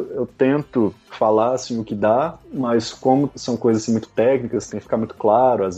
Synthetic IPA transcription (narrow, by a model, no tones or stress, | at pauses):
ewt̪ẽnt̪ʊfalaɾasĩʊkɪd̪amɐskõmʊsɐ̃w̃kojzɐzasĩmũj̃t̪ʊ̥t̪ɛknikɐst̪ẽj̃kɪfi̥kaɾmũj̃t̪ʊ̥klaɾʊaz